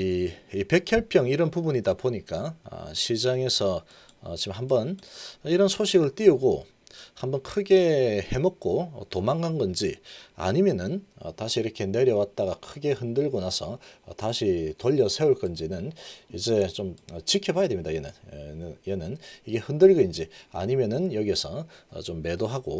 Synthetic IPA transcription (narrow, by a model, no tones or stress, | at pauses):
iipe̞kʰjʌɭpʰjʌŋiɾʌnpubuɲidapoɲik͈a̰ɕʰid͡ʑaŋe̞sʰʌ | ʌ̰t͡ɕimɦambʌniɾʌnsʰoɕʰiɡɯɭt͈iuɡo | hambʌnkʰɯɡe̞he̞mʌk̚k͈otomaŋɡanɡʌnd͡ʑia̰ɲimjʌnɯnʌ̰taɕʰiːɾʌkʰe̞ne̞ɾjʌwat̚t͈aɡakʰɯɡe̞hɯndɯɭɡonasʰʌtaɕʰitoʎːʌsʰe̞uɭk͈ʌnd͡ʑinɯnid͡ʑe̞t͡ɕomʌt͡ɕikʰjʌbajedemɲidajenɯnjenɯniɡe̞hɯndɯɭɡɯind͡ʑia̰ɲimjʌnɯnjʌɡiesʰʌʌ̰t͡ɕomːe̞doɦaɡo̰